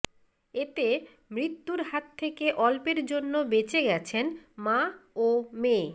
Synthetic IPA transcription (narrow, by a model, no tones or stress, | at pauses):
et̪e | mɾit̪ːuɾɦat̪ʰːekeʔɔlpeɾd͡ʑonːobet͡ɕeɡɛt͡ɕʰenmaome